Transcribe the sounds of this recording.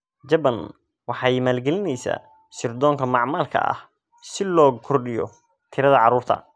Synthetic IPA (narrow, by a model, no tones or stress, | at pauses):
d͡ʒɐbɐn | wɑħɑːjmaːlɡɛlɪnɛjsa̰ː | sɪrd̪ɔːŋkʰɐmɑʕmaːlkʰɐ̰ɐ̰h | sɪlɔːkʰɔrɗɪjɔ̰ | t̪ʰɪɾɐðɐʕɑɾuːrt̪ʰɐ̰